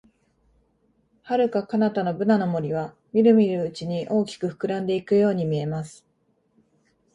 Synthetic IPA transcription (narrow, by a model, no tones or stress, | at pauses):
haɾɯ̟kakanat̪ano̞bɯ̟nano̞mo̞ɾʲiβ̞a | mʲiɾɯ̟mʲiɾɯ̟ːt͡ɕiɲ̟iʔo̞ːkʲi̥kɯ̟ɸɯ̥kɯ̟ɾãnd̪e̞ikɯ̟jo̞ːɲ̟imʲie̞masɨ̥